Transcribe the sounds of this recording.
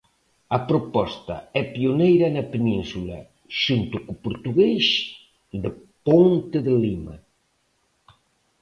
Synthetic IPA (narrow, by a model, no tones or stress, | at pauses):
ɐpɾopɔst̪ɐ̰ɛpionejɾɐnɐpenĩnsula̰ | ʃunt̪ukupuɾt̪uɣejʃ | d̪ə | pont̪eðelima̰